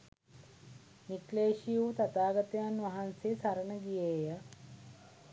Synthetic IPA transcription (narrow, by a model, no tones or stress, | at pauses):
nikleːʃijut̪at̪aːɡət̪əjanʋɐɦansesaɾənəɡijejə